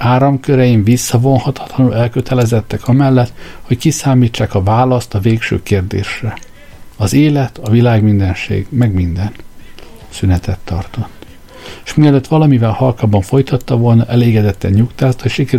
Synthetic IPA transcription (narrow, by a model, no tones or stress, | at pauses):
aːɾɒmkøɾɛjiɱvisːɒvo̞nhɒt̪ɒ̥t̪lɒnulɛlkøt̪ʰɛlɛzɛt̪ːɛkɒmɛlːɛt̪ho̞ckisaːmiːt͡ʃːaːkɒvaːlɒst̪ɒveːkʃø̰ːkeːrd̪ḛːʃrɛ | ɒzeːlɛt̪ɒvilaːɡmind̪ɛnʃḛːɡmɛɡmind̪ɛn | synɛt̪ɛt̪ːɒ̰rt̪o̞t̪ː | eʃmiɛløːt̪ːʋɒlɒmivɛlhɒlkaːbɒɱfojt̪ɒt̪ːɒvo̞lnɒʔɛleːɡɛd̪ɛt̪ːɛɲɲukt̪aːst̪ɒʃikɛ